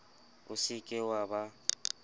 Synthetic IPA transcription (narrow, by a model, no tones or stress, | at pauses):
ʊsɪkʼɪwaba